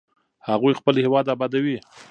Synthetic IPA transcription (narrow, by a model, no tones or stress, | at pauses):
haɣujxpəlhewɑd̪abɑd̪awi